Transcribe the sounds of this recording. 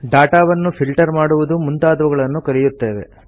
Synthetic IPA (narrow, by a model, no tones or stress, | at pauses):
ɖaːʈaːʋɐnːupʰilʈɐɾmaːɽuʋud̪umunt̪aːd̪ʋɐɡɐɭɐnːukɐɾijut̪ːe̞ːʋe̞̰